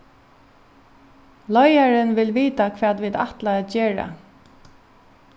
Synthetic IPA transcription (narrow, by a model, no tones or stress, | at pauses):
lɔjaɹənʋɪlʋiːt̪akʰʋɛːt̪ʋid̪a̰ht̪laɛt̪d͡ʒeːɹa̰